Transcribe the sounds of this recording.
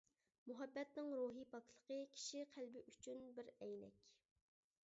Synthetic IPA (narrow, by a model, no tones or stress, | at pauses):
muɦɛbːɛt̪nɪŋɾuːɦipʰɑklˠəqəkʲʰi̥ʃiqʰælbɪʔyt͡ʃʰynbɪɾɛjnɛ̰kʲ